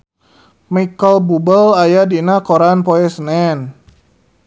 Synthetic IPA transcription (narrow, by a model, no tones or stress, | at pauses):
makəlbubəlajadinakoɾanpɔɛsnɛn